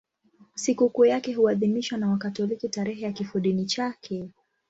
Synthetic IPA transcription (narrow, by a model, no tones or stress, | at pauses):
sikukujakɛɦuaðimiʃwanawakatɔlikitaɾɛɦɛjakifuɗinit͡ʃakʰɛ